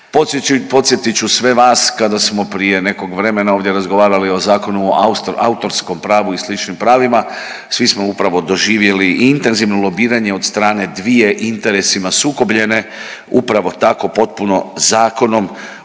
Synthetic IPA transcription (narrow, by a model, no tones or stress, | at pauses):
popo̞t̪sjet̪it͡ʃusʋe̞ʋaːskad̪asmo̞pɾije̞ne̞ko̞ɡʋɾe̞me̞naoːʋd̪je̞ɾazɡo̞ʋaːɾalio̞zaːko̞nuoua̰ut̪o̞ɾsko̞mpɾaːʋuislit͡ʃnimpɾaːʋima | sʋismo̞upɾaʋo̞d̪o̞ʒiːʋje̞liʔint̪e̞nziʋnolˠo̞biːɾaɲe̞od̪st̪ɾaːne̞d̪ʋije̞ʔint̪e̞ɾe̞simasuːko̞bʎe̞ne̞ | upɾaʋo̞t̪ako̞po̞t̪̚puno̞zaːko̞no̞m